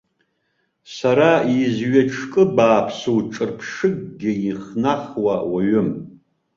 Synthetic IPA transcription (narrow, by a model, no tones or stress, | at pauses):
saɾaizɥɛʈ͡ʂʰkʼɨbaːpʰsuwʈ͡ʂʼɨrpʰʂɨɡ̚ɡʲɪiχnaχwawaɥɪm